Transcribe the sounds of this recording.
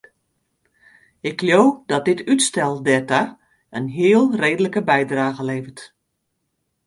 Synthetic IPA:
ɪkːljoːdɔt̚dɪtytstɛlˠdɛta | ənɦiːəlˠreːdələkəbɛjdraːɣəleːvət

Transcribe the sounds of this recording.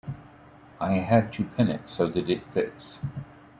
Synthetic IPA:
ʔaɪɨd̚tʰʉpʰɪ̃nɨ̰tsoʊðɨɾɪt̚fɪks

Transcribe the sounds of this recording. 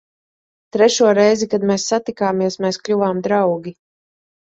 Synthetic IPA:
t̪ɾɛʃuɔɾɛjzikad̪mɛːsːat̪ikaːmiɛsmɛːsklʲuvaːmd̪ɾawɡʲi

